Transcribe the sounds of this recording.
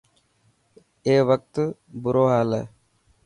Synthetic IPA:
eːʋək̚t̪bʊɾoːɦaːlḛː

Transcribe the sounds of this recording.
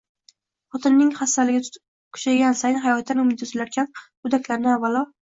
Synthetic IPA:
χɒt̪ʰɪnːɪŋhast̪alɪɡʲɪ | kʰʊ̥ʃaɡʲansajnɦajɒt̪ʰːanʊmɪd̪ʰʊzɪlaɾkʰʲan | ʊd̪akʲlaɾnɪavːalˠɒ

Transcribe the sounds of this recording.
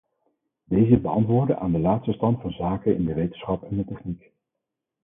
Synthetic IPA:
d̥ejzəbəɑntʋʊːɹdəʔa̰ːndəlaːtstəstɑntfɑnzaːkənɪ̰ndəʋejtənsχɑpɛndətɛχnik

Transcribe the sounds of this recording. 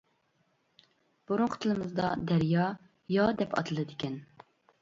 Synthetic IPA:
b̥oɾʊɴqʰʊ̥t̪ʰɨlˠɨmɨzd̪ɑd̪æɾjɑ | jɑd̪ɛpʰɑ̰t̪ʰɨlˠɨd̪ɪkʲɛn

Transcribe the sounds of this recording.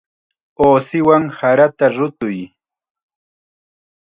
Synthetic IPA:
oːsɪwaŋhaɾat̪aɾʊt̪ʊj

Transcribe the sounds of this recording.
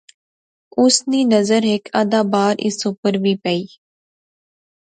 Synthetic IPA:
ʊsniːnəzəɾɦɪkʰaːd̪aːbaːɾʔɪ̰supəɾbiːpəiː

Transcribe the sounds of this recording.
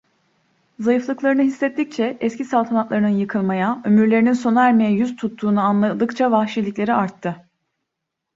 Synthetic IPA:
zajɯflˠɯklˠaɾɯnɯɦisːɛt̪ʰːic̚t͡ʃʰɛɛskcʰisalˠt̪ʰanat̪lˠaɾɯnɯnjɯkʰɯlˠmajaø̞myɾlʲe̞ɾininso̞nuæɾme̞jɛjyzt̪ʰut̪ʰːuːnuanlˠad̪ɯkt͡ʃʰavaxʃilʲiclʲe̞ɾiaɾt̪ʰːɯ

